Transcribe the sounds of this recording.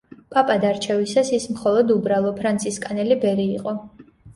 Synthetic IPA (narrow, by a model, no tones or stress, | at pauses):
pʼapʼad̪aɾt͡ʃʰɛvisasismχɔlˠɔd̪ubɾalˠɔpʰɾant̪sʰiskʼanɛlibɛɾiːqʼɔ